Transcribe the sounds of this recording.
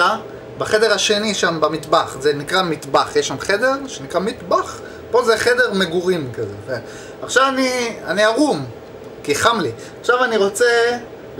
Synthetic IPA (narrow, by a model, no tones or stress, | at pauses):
a | baχede̞ʁaʃe̞niʃambamit̪baχzenikʁamit̪baχjeʃamχe̞de̞ʁʃenikʁamit̪baχ | po̞zeχede̞ʁmeɡuʁimkazee | aχʃavanianiaʁum | kiχamli | aχʃavaniʁo̞t͡se